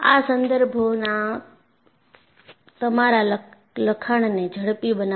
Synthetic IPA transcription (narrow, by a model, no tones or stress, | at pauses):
a̰ːsɐ̃nd̪əɾbʱonã | t̪ɐmaɾal | ləkʰaɽ̃nẽd͡ʒʱɐɽpiɓɐna